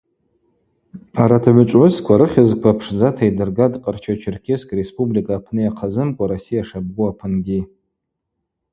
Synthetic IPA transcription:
aɾatʰaʕʷʊt͡ʃʷʼʕʷʊskʷʰaɾɨχʲazkʷʰapʰʂd͡zatʰaidɨrɡadqʼart͡ʃʰat͡ʃʰɪrkʲʰeskʼrespʼublikʼaːpʰnɨjaqʰazɨmkʷʼaɾosijaʂab̚ɡuapʰɨnɡʲi

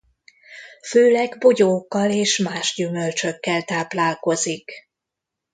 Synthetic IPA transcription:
føːlɛɡboɟoːkːɒleːʃmaːʒɟymølt͡ʃø̞kːɛlt̪aːplaːlko̞zik

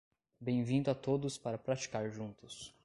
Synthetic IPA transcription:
bẽj̃vĩnd̪ʊat̪od̪ʊspaɾɐpɾat͡ʃi̥kaɾʒũnt̪ʊs

